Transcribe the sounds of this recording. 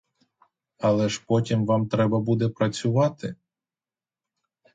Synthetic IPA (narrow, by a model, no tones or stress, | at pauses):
ɐlˠɛʃpɔtʲimʋɑmt̪ɾɛbɐbud̪ɛpɾɐt͡sʲʊʋɑt̪ɪ